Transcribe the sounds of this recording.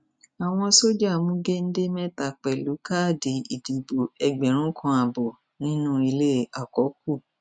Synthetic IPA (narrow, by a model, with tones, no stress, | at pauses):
a˨w̃ɔ̃˧so˦d͡ʒa˦˨mũ˦ɡe˦n̩˦de˦mɛ̃˦ta˨k͡pɛ˨lu˨˦ka˦˨de˨i˨di˨bo˨ɛ˨ɡ͡bɛ˨ɾ̃ũ˦kʰɔ̃˧a˨bɔ˨ | nĩ˦nũ˦i˧le˦˨a˨kɔ˨˦k̚u˦˨